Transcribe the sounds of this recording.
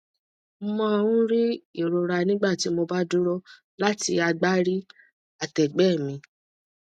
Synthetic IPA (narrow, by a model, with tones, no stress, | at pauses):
mã˦˧ɾũ˦ɾi˦i˦˨ɾo˨ɾa˧nĩ˦ɡ͡ba˦˨ti˨˦mo˧ba˦du˦ɾɔ˦ | la˦ti˧a˧ɡ͡ba˦ɾi˦ | a˨tɛ˨ɡ͡bɛ˦˨mĩ˧˦